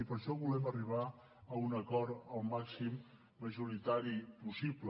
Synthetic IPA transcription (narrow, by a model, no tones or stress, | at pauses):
ipəɾʃɔβulɛməriβ̞a | əunəkɔɾt̪əlˠmaksimː | əʒuɾit̪aɾipusiblə